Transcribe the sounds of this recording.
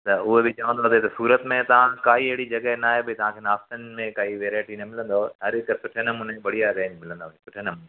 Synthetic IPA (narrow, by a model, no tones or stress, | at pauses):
t̪ɐʊɦebɪt͡ɕɐʋə̃n̆d̪oːt̪et̪ɐsuːɾət̪mẽt̪ɐʋ̤ãkaːɦiɦeːɽid͡ʑɐɡəɦnaːɦebʱɪt̪ɐʋ̤ãkʰeːnaːst̪ənɪmẽkaːiʋeːɾaːɪʈinɐmɪlə̃nd̪oɦɐɾɪkəsʊʈʰenɐmuːneɓɐɽijaɾẽːɲd͡ʑmɪlə̃nd̪oːesʊʈʰenɐmuːne